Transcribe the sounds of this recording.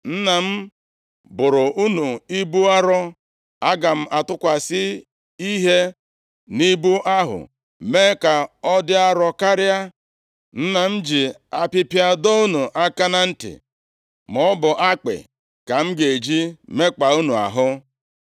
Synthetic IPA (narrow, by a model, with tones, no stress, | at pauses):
n̩˦na˨m̩˦ | bʊ˨ɾʊ˨ʔu˦nu˨i˦bu˦a˦ɾɔ˦ | a˦ɡa˨m̩˦a˨tʊ˦kʷa˨sɪ˦ | i˦ɦe˦ | ni˦bu˦ʔa˦ɦʊ̰˨ | me˦ka˨ɔ˦dɪ˦a˦ɾɔ˦ka˦ɾɪ˦a˦ | n̩˦na˨m̩˦d͡ʒi˨ | a˦pɪ˦pja˦do˦u˦nu˨ʔa˦ka˦na˦n̩˦tɪ̰˨ | mɔ˨˦bʊ˨ʔa˦k͡pɪ̰˨ | ka˨m̩˦ɡe˨d͡ʒi˦me˦k͡pa˨u˦nu˨a̰˨ɦʊ˦